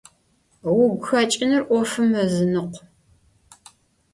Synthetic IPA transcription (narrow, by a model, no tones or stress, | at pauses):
wʊɡʷxɐt͡ʃʼɪnɨrʔʷɔfɨmːɐzɨnɨqʷ